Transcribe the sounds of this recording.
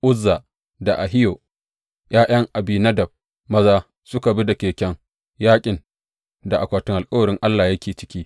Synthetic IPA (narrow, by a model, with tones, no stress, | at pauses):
ʔʊ˦zːa˨ | da˨ʔa˨ɦɪ˦joː˨ | jaː˦jɐ˦ŋʔa˨bi˦nɐ˦dɐ˨b̚ | mɐ˦zaː˦ | sʊ˦ka˨bi˦da˨kʲeː˨kʲɛ˦ŋ | jaː˦kʲʼɪ˨n | da˨ʔa˨kʷaː˨tʊ˦ŋʔa˨kʼɐ˦wɐ˨ɾɪ˦ŋʔa˦lːaː˨jɐ˦kʲeː˨t͡ʃɪ̥˦kʲiː˦